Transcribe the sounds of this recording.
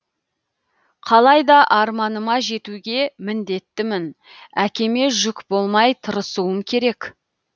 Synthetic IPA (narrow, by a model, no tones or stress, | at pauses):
qʰɑlˠɑjd̪ɑʔɑɾmɑnəmɑʒe̞t̪uɡʲe̞mɪnd̪e̞t̪ːɪmɪn | ækʲe̞me̞ʒʏkbo̞lˠmɑjt̪ʰəɾəsuwəmkʲʰe̞ɾe̞k